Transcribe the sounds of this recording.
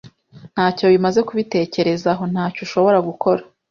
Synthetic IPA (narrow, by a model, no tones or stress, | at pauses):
n̥haːco̞βimaze̞kuβite̞ːce̞ɾe̞zaɦo̞n̥haːcuʃo̞βo̞ɾaɡukʰo̞ɾḁ